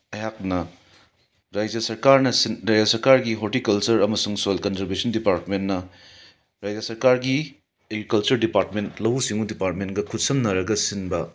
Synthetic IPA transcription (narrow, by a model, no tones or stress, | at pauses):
ɐjak̚nɐ | ɾajd͡ʒɐsɐɾkaɾnɐsinɾajd͡ʒɐsɐɾkaɾɡiɦotikɐlt͡ʃɐɾɐmɐsuŋsolkɐnzɐɾbesɐndipaɾtmenːɐ | ɾajd͡ʒɐsɐɾkaɾɡi | eɡɾikɐlt͡ʃɐɾdipaɾtmentlɐwusiŋudipaɾt̚menɡɐkʰut̚sɐmnɐɾɐɡɐsinbɐ